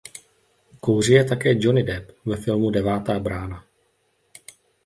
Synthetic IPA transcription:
kowr̝ɪjɛt̪akɛːd͡ʒonɪdɛpvɛfɪlmudɛvaːt̪aːbɾaːna

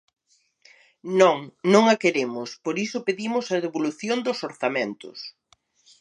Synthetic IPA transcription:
nõŋnõŋɐkeɾemʊspoɾisʊpeðimʊsɐðeβoluθjond̪ʊsoɾθamẽnt̪ʊ̰s

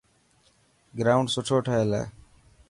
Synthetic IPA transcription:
ɡɾaːʊ̃ɳɖsʊʈʰoːʈʰəɦeːlḛː

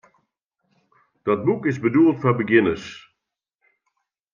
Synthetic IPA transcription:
d̥ɔt̚bukɪzbəduəlˠtfɔbəɡɪnəs

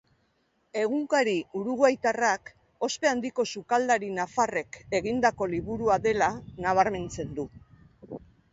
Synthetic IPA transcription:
e̞ɣuŋkaɾiuɾuɣoajt̪arak | o̞spe̞and̪iko̞sukald̪aɾinafare̞ke̞ɣind̪ako̞liβuɾuaðe̞lanaβ̞aɾme̞nt͡se̞nd̪u

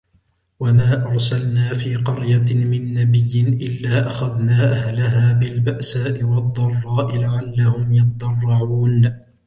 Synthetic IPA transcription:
wamaːʔɑɾˤsalnaːfiːqɑɾjamɪnːabɪjːɪnʔɪlːaːʔaxaðnaːʔahlaɦaːbɪlbaʔsaːʔɪwɑd̪ˤːɑrˤːɑːʔɪlaʕalːahʊmjɑt̪d̪ˤɑrˤːɑʕuːn

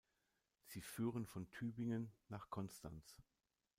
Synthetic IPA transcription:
z̥iːfyːʁənfɔntʰyːbɪŋənːaːχkʰɔnstʰa̰ns

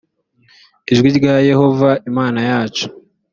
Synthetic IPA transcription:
iʒɡiɾɡaje̞ho̞vaimaːnajaːt͡ʃo̥

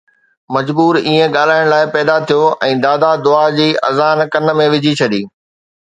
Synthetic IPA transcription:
mɐd͡ʑbuːɾiːẽɠaːl̤aːɪɽ̃laːɪpɛːd̪at̪ʰijoɛ̃ːd̪aːd̪ad̪ʊad͡ʑiːʔɐ̰zaːnkɐ̃nə̆mẽʋɪd͡ʑʱit͡ɕʰɐɗ̪iː

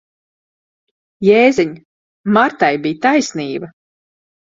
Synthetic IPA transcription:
jeːziɲ | maɾt̪ajbijt̪ajsniːbɐ

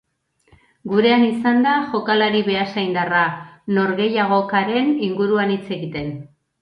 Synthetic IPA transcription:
ɡuɾe̞anisand̪aʝo̞kalaɾiβe̞asajnd̪arano̞ɾɣe̞jaɣ̞o̞kaɾe̞niŋɡuɾuanit͡se̞ɣit̪e̞n

